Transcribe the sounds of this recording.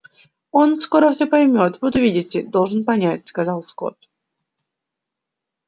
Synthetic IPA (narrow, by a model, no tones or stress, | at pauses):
o̞nsko̞ɾəfsʲɵpɐjmʲo̞t̪vɨt̪ʊvʲidʲɪtʲɪd̪o̞lˠʐɨnpɐnʲætʲskɐzɑlˠsko̞̰t̪̚